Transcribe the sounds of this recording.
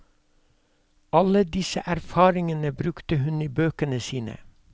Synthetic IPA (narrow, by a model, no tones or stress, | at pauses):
ɑləd̪ɪsəʔæɾfɑːɾɪŋənəbɾʉkt̪əhʉniːbøːkənəsiːnə̰